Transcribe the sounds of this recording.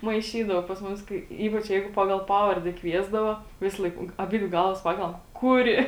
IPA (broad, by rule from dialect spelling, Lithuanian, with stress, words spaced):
mɐɪˈʃʲiːdɐʋoː pɐs ˈmʊs ˈkɐɪ ˈiːpɐt͡ʃ ˈjɛɪɡʊ ˈpɑːɡɐlˠ ˈpɑːʋɐrʲdʲɛ ˈkʋʲiɛzdɐʋoː ˈʋʲɪsˌlˠɐɪk ˈʊŋk ɐˈbʲɪdʲʋʲɪ ˈɡɐlˠʋɐs ˈpɑːkʲɛlˠɐm ˈkʊˌrʲɪ